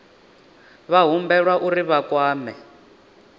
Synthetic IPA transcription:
βaɦumbɛɺwaʔuɾiβakwaːmɛ

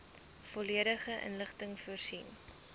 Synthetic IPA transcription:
fɔliəɾəχəʔə̰nləχtəŋfuərsin

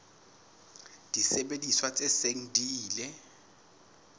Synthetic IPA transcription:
d̥isɛɓediswat͡sʼɛseŋ̩diːlɛ

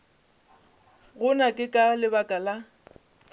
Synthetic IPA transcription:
ɣʊnakʼɪkʼalɪbakʼala

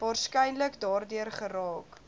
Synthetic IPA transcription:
vɑːrskɛjnləkdɑːrdyərχəɾɑːk

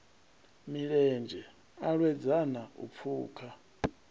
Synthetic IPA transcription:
miɺɛnd͡ʒʱɛ | aɺwɛd͡zanaṵp̪fʰuːkʰa

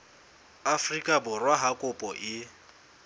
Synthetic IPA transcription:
afrikʼabʊrwaɦakʼʊpʼɔʔɪ

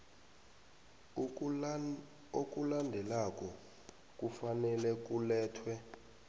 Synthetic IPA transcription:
ok̬ʼulandʱɛlak̬ʼɔ | k̬ʼufanɛlɛk̬ulɛːtʰwɛ

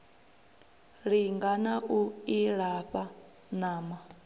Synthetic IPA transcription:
ɺiŋɡanaʔuiɺaɸa | naːma

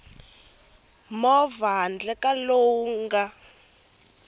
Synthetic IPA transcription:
mɔvand͡ɮɛkaloːŋŋɡa

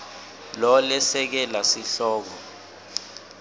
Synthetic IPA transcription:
lɔlɛsɛk̬ɛlasiɬɔːk̬ɔ

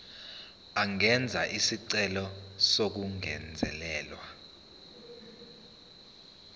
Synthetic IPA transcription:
aŋɛnd͡zʱaʔisiǀɛlɔsok̬uŋɛ̰nd͡zʱɛlɛːlwa

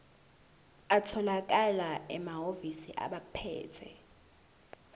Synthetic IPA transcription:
atʰɔlak̬alaɛmaɦovisiʔa̰ɓapʰɛ̰ːtʰɛ̰

